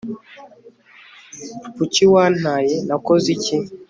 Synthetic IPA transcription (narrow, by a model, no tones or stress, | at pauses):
put͡ʃiwan̥ajɛnakɔzit͡ʃɛ